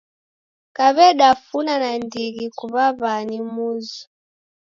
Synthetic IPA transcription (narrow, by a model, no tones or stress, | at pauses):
kaβɛɗafunanandiɣikuβaβanimuzu